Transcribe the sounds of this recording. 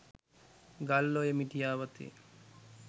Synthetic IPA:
ɡalːojemiʈijaːʋat̪ḭ

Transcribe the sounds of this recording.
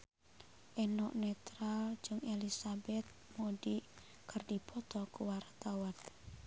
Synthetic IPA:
ʔenɔʔnet̪ɾald͡ʒʊŋelisabɛt̪̚moɖi | kərdipʰɔt̪ɔkuwart̪awan

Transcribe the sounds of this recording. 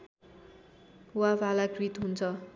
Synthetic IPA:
wabalakrit̪ɦunt͡sʰʌ

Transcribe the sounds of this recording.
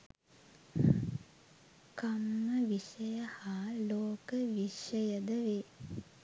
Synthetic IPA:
kamːəʋiʂəjəhaːloːkəʋiʃəjəd̪əʋe

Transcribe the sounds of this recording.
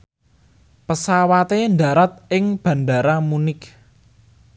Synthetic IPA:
pəsawat̪enda̤ɾat̪̚ɪŋb̥ä̤nda̤ɾamunɪk

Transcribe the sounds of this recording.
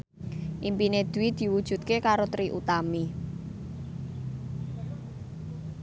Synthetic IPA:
ʔimpined̪̥ṳwid̪̥i̤wud̥ʒ̥ṳt̪̚kekaɾot̪ɾiʔut̪ami

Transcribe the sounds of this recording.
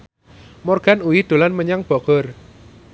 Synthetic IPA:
mɔrɡ̥anuwid̪̥o̤lanməɲaŋb̥ɔ̤ɡ̥ɔr

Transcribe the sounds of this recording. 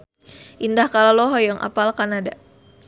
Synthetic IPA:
ʔindahkalalɔɦɔjɔŋʔa̰palkanada

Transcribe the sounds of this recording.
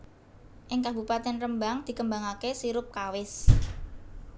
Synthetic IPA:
ʔɪŋkab̥upat̪ɛnrəmbaŋd̪̥i̤kəmbaŋakesiɾʊp̚kawɪs

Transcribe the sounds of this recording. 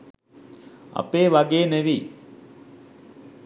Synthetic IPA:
a̰peːʋaɡeːneʋiː

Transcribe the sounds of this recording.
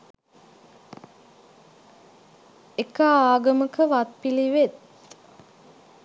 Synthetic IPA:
ekəaːɡəməkəʋat̪̚piliʋet̪̚

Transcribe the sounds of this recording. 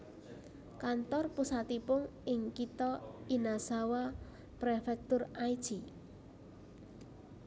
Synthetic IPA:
kant̪ɔrpusat̪ipʊŋɪŋkit̪ɔinasawa | pɾefɛk̚t̪ʊraid̥ʒ̥i

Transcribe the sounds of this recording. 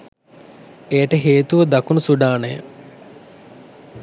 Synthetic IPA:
eːʈəɦeːt̪uʋəd̪ɐkunusuɖaːnəjə̰

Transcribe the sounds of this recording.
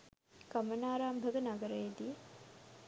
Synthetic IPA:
kɐmənaːɾaːmbʱəɡɐnɐɡəɾəjed̪ije

